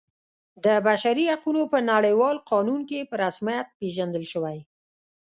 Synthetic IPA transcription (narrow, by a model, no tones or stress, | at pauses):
d̪əbaʃaɾihaqunopənaɽəjwɑlqɑnunkepəɾasmijat̪̚peʒand̪əlʃəwaj